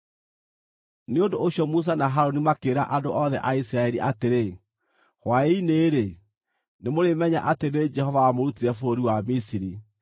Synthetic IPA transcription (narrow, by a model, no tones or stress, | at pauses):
neondoːɕjɔmus̬anaɦaɾonimakeːɾaʔadoʔɔðɛ̰ʔaisiɾaɛɾiʔateɾe | hwaeineːɾe | nemoɾemɛɲa̰ʔateɾed͡ʒɛhɔvaamoɾutiɾɛfoɾiwamisiɾi